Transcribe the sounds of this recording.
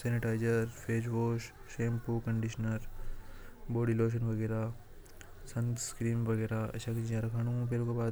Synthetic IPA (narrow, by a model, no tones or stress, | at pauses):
seːniʈaːɪd͡ʒɐɾpʰeːd͡ʒʋoːʃʃeːmpuːkɐ̃ɳɖiʃnəɾ | boːɖiloːʃ̬ɐnʋɐɡeːɾa | sɐnt̪skɾiːmʋɐɡeːɾaɐ̰ʃʰakiid͡ʒaːɾɐkʰaːñũũpeːlokebaːd̪